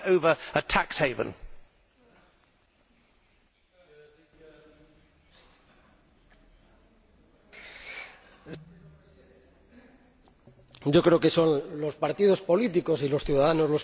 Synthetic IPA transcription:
əʊvəətʰaksheɪvə̰̃n | ɟ͡ʝokɾeokeso̞nlo̞spaɾt̪iðo̞spo̞lit̪iko̞silo̞sθjuðaðanozlos

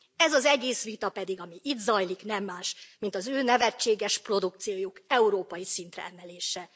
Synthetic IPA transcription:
ɛzɒzɛɡeːsʋit̪ɒpɛd̪iɡɒmiʔiːd̪zɒjliknɛmːaːʃmint̪ɒzøːnɛvɛt͡ʃːeːɡɛʃpro̞d̪uk̚t̪sijoːjokɛuɾoːpɒjisint̪rɛ̰ɛmɛleːʃɛ

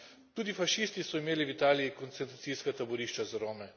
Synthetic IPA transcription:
t̪uːd̪ifaʃiːst̪isɔimeːliwit̪aːlijikɔnt̪sɛnt̪ɾat̪siskat̪abɔɾiʃt͡ʃazɾoːmɛ

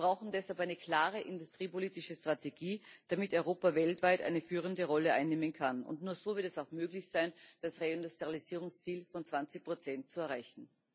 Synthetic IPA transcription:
ɐbʁaʊxn̩dɛshalpaɪnəkʰl̥aːʁəʔɪndʊstʁ̥iːpoliːtɪʃəstʁ̥ateɡiːd̥amɪtɔʏʁoːpavɛltv̥aɪtʔa̰ɪnəfyːʁəndəʁɔləʔa̰ɪnːeːmənkʰanʊ̰ntnuːɐz̥oːvɪɐtɛsaʊxmøːɡlɪçsaɪnd̥asʁeɪndustaliziːʁʊŋst͡siːlfɔnt͡sv̥ant͡sɪçpʁ̥ot͡sɛnt̚t͡suɛɐʁaɪçn̩

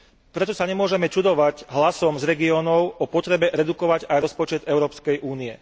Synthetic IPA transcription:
pɾɛt̪ɔsaɲɛmʊɔʒɛmɛt͡ʃud̪ɔʋaɟɦlasɔmzɾɛɡiɔːnɔʊɔpɔt̪ɾɛbɛɾɛd̪ukɔʋaɟajɾɔspɔt͡ʃɛd̪ɛʊɾɔːpskɛjʔuːniɛ

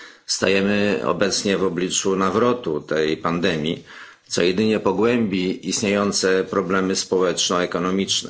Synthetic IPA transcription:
st̪a̰jɛmɘɔ̰bɛt̪sɲɛvɔblʲit͡ʂunavɾɔt̪ut̪ɛjpand̪ɛmʲjḭ | t̪sɔjɛd̪ɘɲɛpɔɡwɛmbʲiist̪ɲejɔnt̪sɛpɾɔblɛmɘspɔwɛt͡ʂnɔɛkɔnɔmʲit͡ʂnɛ̰

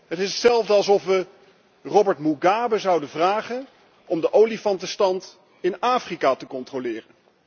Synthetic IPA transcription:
ɦətɪsətsɛlˠvdəɑlˠs̬ɔfʋə | rɔbəɹtmuɡaːbəzʌwdəvraːχən | ɔmdəʔowlifɑntəstɑnt | ɪnaːfrikatəkɔntrolɪːrən

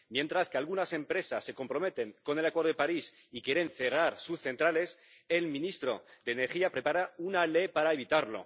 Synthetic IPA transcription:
mjẽ̞nt̪ɾaskealɣunase̞mpɾe̞sasːe̞ko̞mpɾo̞me̞t̪e̞ŋko̞ne̞lakweɾðoepaɾis | ikje̞ɾe̞nθe̞raɾsusθe̞nt̪ɾale̞s | e̞lmĩnist̪ɾo̞̰d̪eːne̞ɾxiapɾe̞paɾaunale̞jpaɾaeβ̞it̪aɾlo̞̰

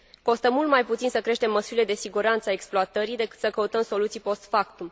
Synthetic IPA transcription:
ko̞st̪əmult̪majput̪sinsəkɾe̞ʃt̪e̞mːəsuɾile̞d̪e̞siɡuɾant̪səae̞ksploat̪əɾid̪e̞kɨ̥t̪səkəut̪əmso̞lut̪sijpo̞st̪fak̚t̪um

